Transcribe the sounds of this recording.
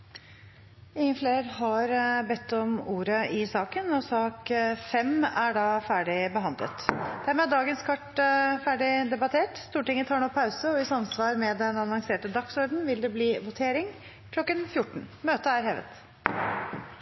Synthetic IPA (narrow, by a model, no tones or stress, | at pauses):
ɪŋːənfleːɾɦɑɾbɛt̪ːɔmuːɾəɪsɑːkənɔsɑːkfɛmæɖɑːfæːɖɪbəɦɑnd̪lə̰t̪d̪̥æɾmɛːd̪ɑːɡənskʰɑʈfæːɖɪd̪ɛbɑt̪ʰeːʈst̪uːʈɪŋːət̪ʰɑːɳɔpʰɑʉsəɔɪsɑmsʋɑːɾmɛd̪ɛnɑnɑŋseːʈəd̪ɑksɔɾd̪n̩ʋɪld̪ɛbliːʋʊt̪ʰeːɾɪŋ | kʰlɔkːənfjʊʈːɳ̩møːt̪əæɾɦɛːʋə̰t̪